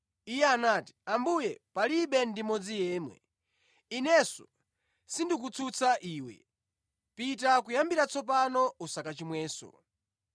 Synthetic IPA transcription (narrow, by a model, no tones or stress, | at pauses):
ijɛanati̥ambujɛpaliɓɛndimɔd͡zijɛːmwɛ̰ | inɛsɔ | sindik̬ut͡sʰut͡sʰaʔiːwɛ̰ | pitakujambiɾat͡sʰɔp̬anɔusakat͡ʃimwɛːsɔ̰